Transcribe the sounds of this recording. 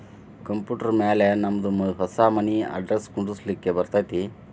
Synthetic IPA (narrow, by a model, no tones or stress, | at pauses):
kɐmpjuːʈɐɾmeːlenɐmːɐd̪umɐɦɐsaːmɐniɐ̰ɖɾeskuɳɖuslikːebɐɾt̪aːjt̪i